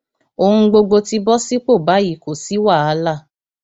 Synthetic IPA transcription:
o˨hũ˧ɡ͡bo˧ɡ͡bo˧ti˧˦bɔ˦si˦k͡po˦˨ba˨˦ji˦˨ko˨si˨˦wa˦˨a˨˧la˦˨

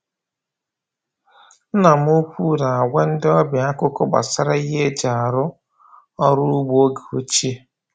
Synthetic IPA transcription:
n̩˦na˨m˦ʊ˦kʷu˦ɾa˨a˨ɡʷe˦n̩˦dɪ˦ɔ˦bɪ˨a˦kʊ˦kʊ˦ɡ͡ba̰˨sa˦ɾa˦i˦ɦe˦d͡ʒa˨a˨ɾʊ˦ | ɔ˦ɾʊ˦u˦ɡ͡bu˦o˦ɡe˨o˦t͡ʃi˦e˦

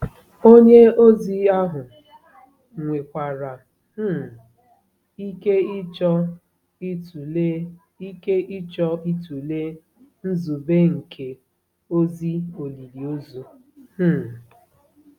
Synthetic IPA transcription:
o˦ɲe˦o˦zi˦a˦ɦʊ˨ | ŋʷe˨kʷa˨ɾa˨ | m̩˦ | i˦ke˦i˦t͡ʃɔ˦ | i˦tu˨e˦ | i˦ke˦ʔi˦t͡ʃɔ˦i˦tu˨le˦ | n̩˦zu˨be˦ŋ̩˨kʰe˨ | o˦zi˦o˨li˨li˨o˦zu˦

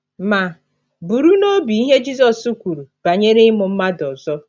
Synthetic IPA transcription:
ma˨ | bu˨ɾu˦no˦bi˨i˦ɦe˦d͡ʒi˦zɔ˨su˦kʷu˨ɾu˨b̥a˨ɲe˦ɾe˦mʊ˨m̩˦ma˦dɔ˨zɔ˦

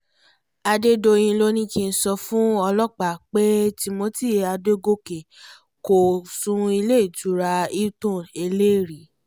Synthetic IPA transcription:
a˧de˦do˧j̃ĩ˧lo˦nĩ˦kĩ˧n̩˦sɔ˧fũ˦ɔ˧lɔ˦˨k͡pa˨k͡pe˦ti˧mo˧˦ti˦˨a˧de˦ɡo˦ke˨ | ko˨sũ˧i˧le˦i˨du˨˦ɾa˧i˦tũ˦˨e˧le˦˨ɾi˨˦

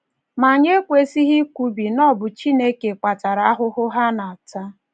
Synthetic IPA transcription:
ma˨ɲe˦kʷe˨si˦ɦi˦kʷu˦bi˨nɔ˦bʊ˨t͡ʃi˦ne˦ke˨kʷa˨ta˨ɾa˨a˦ɦʊ˦ɦʊ˦ɦa˦na˨a˨ta˦

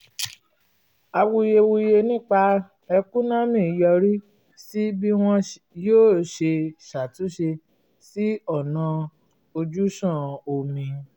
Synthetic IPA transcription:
a˧wu˧je˧wu˧je˧nĩ˦k͡pa˧ | ɛ˧kũ˦nã˦mĩ˦˨jɔ˧ɾi˦ | si˦bi˦w̃ɔ̃˦ | joː˦˨ʃe˧ʃa˨tũ˨˦ʃe˧ | si˦ɔ˦˨nã˧ | o˧d͡ʒu˦ʃã˦˨o˨mĩ˧

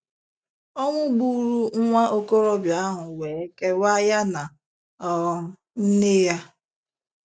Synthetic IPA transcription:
ɔ˦ŋʷʊ˦ɡ͡bu˦˨˦ɾu˦ŋ̩˦ŋʷa˦ʔo˦ko˦ɾɔ˦bja˨a˦ɦʊ˨we˨e˦ke˦wa˦ja˦na˨ | n̩˦nɪ˦ja˦

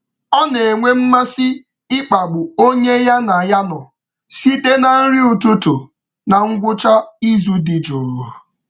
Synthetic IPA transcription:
ɔ˦ne˨e˨ŋʷe˦m̩˦ma˦sɪ˦ | ɪ˦k͡pa˨ɡ͡bʊ˨o˦ɲe˦ja˦na˨ja˦nɔ˨ | si˦te˦na˨n̩˦ɾi˦u˨tu˦tʊ˨ | na˨ŋ̩˦ɡʷʊ˦t͡ʃa˦i˦zu˦dɪ˨d͡ʒʊː˨ɾ

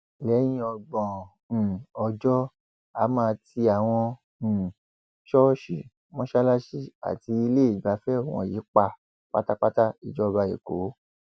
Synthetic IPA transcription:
lɛ˨˦j̃ĩ˧˦ɔ˧ɡ͡bɔ̃˨ɔ˧d͡ʒɔ˦ | a˨˦mãː˧ti˧a˨w̃ɔ̃˧˨ | ʃɔ˦ʃi˨ | mɔ̃˦ʃa˦la˦ʃi˦a̰˨ti˧˦i˧le˦i˨ɡ͡ba˨˦fɛ˦o˦˨w̃ɔ̰̃˧˨ji˨˦k͡pa˧ | k͡pa̰˦ta˦k͡pa˦ta˦i˨d͡ʒɔ˦˧ba˧jḛ˨ko˨˦

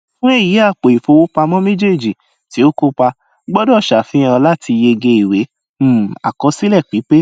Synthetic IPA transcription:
fũ˦e˦˨ji˨˦a˦˨k͡po˨i˨fo˧wo˦pa˧mɔ̃˦mẽ˦d͡ʒe˦˨d͡ʒi˨ | ti˨˦o˦ko˦k͡pa˧ | ɡ͡bɔ˦dɔ˦˨ʃa˨fĩ˨˦ã˧la˦tʰi˧je˧ɡe˧i˨we˨˦˨ | a̰˨kɔ̃˧˦si˦lɛ˦˨k͡pi˨˦k͡pe˦

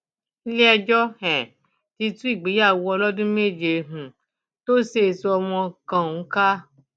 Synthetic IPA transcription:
i˦lɛ˦ɛ˧d͡ʒɔ˦hɛ̃˨ | ti˧tũ˦i˦˨ɡ͡bi˨˦ja˦˨wɔ˧lɔ˦dũ˦me˦˨d͡ʒe˨˧˨ɦũ˨ | to˦se˦˨su˧ɔ˧mɔ̃˧kã˨˦ka˦

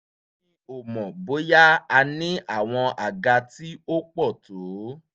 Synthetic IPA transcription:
ĩ˦o˨mɔ̃˨bo˨˦ja˦a˧nĩ˦ʔa˦˨w̃ɔ̃˧ʔa˨ɡa˧ti˦o˦k͡pɔ˦˨to˨˦

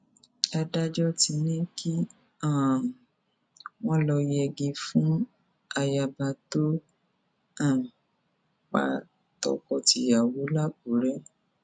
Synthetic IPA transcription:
a˧da˦d͡ʒɔ˦ti˧nĩ˦kʰi˦ | ã˦˨ | w̃ɔ̃˦lɔ˧jɛ˧ɡi˧fũ˦ | a˧ja˧ba˧to˦ | a˦˨ | k͡pa̰˧ | tɔ̰˧kɔ˧ti˧ja˨wo˨˦la˦ɡu˨˦ɾɛ˦

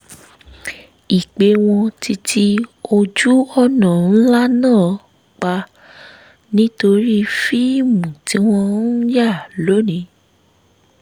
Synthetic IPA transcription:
i˨k͡pe˨˦w̃ɔ̃˧ti˧tʰi˧o˧d͡ʒu˦ɔ˦˨nã˨ñ̩˦la˦nãː˦˨ | k͡pa˧ | nĩ˦to˧ɾi˦˧fi˦i˦˨mũ˨ti˨˦w̃ɔ̃˧n̩˦ja˦˨lo˨˦nĩ˨˧˦

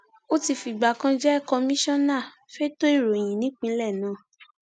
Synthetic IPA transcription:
o˦ti˧fi˧˨ɡ͡ba˨kã˧d͡ʒɛ˦kɔ˧mĩ˦ʃɔ̃˦nã˦˨ | fe˦to˦i˦˨ɾo˨j̃ĩ˨nĩ˨˦k͡pĩ˦lɛ˦˨nãː˨˦˨

